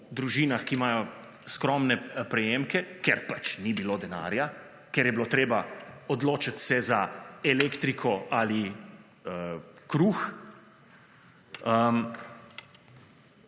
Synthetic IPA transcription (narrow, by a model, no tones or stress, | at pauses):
d̪ɾuʒiːnaxkimaːjɔ | skɾɔmnɛpɾɛjemkɛkɛɾpat͡ʃnibiloːd̪ɛna̰ːɾja | kɛɾjɛbilot̪ɾeːbaɔd̪loːt͡ʃat̪sɛzaɛlekt̪ɾikʰɔali | əkɾux | əm